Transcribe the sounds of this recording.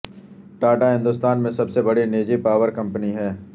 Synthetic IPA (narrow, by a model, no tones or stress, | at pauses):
ʈaːʈaɦɪ̃nd̪ʊst̪aːnmẽsɐbsebɐɽineːd͡ʒipaːʋəɾkɐ̃mpəniɦɛː